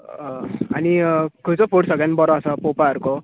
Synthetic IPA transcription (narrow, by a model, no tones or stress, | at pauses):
anikʰut͡sopʰoʈsʌɡenɖbʌɾɔːsʌpopaəɾuko